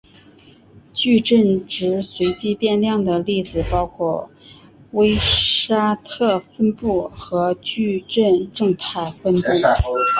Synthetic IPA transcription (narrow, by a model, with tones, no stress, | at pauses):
t͡ɕy˥˧ʈ͡ʂə˥˩nʈ͡ʂɻ̩˧˥swe˧˥ɪt͡ɕi˥pjɛ˥˧nljɑ˥˩ŋd̪ə˩li˥˩t͡sɹ̩˨˩pɑ˥ʊkʰwɔ˥˩ | we˥ɪʂa˥t̪ʰɤ˥˩fə˥npu˥˩xɤ˧˥t͡ɕy˥˧ʈ͡ʂə˥˧nʈ͡ʂɤ˥˧ŋt̪ʰa˥˩ɪfə˥nt̪u˥˩ŋ